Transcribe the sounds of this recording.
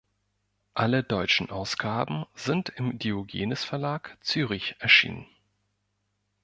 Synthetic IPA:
ʔalədɔʏt͡ʃn̩ʔaʊsɡ̥aːbm̩zɪntʰɪmdioɡḛːnəsfɛɐlaːkt͡syːʁ̞ɪçʔɛɐʃḭːnə̰n

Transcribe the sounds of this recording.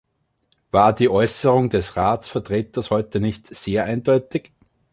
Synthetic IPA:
v̥aːɐdiːʔɔʏsəʁʊŋd̥ɛsʁaːt͡sfɛɐtʁ̥eːtɐshɔʏtənɪçtz̥eːɐʔæɪnd̥ɔʏtɪk

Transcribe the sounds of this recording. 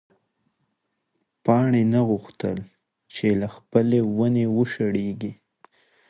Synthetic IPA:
pɑɳenaɣuxt̪ə̰l | t͡ʃelaxpəlewanewəʃaɽeɡi

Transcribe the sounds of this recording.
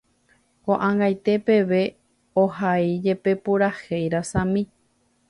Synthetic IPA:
kõʔãŋɡajt̪e̞pe̞ʋe̞ | ohaid͡ʒe̞pe̞puɾahejɾasãmĩ

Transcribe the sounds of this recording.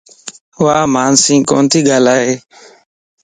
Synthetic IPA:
ʊʋaːmaːnsĩːko̰ːnt̪ʰiːɠaːlaːɦeː

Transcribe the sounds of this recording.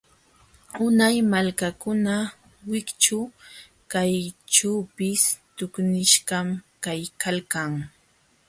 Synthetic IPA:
ʊnajmalkakʊna | wɪkt͡ʃʊ | kajt͡ʃaːpɪst̪ʊknɪʃɢɑmkajkalkaŋ

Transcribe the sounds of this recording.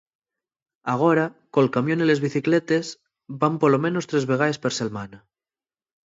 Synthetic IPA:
aɣ̞oɾakolkamjonile̞zβiθiklet̪e̞z | bampolomẽ̞no̞st̪ɾe̞zβe̞ɣ̞ae̞speɾse̞lmana

